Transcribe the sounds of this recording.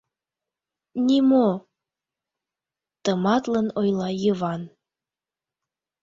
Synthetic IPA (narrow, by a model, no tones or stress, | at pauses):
nʲimo | t̪əmɑt̪lənojlɑjəβɑn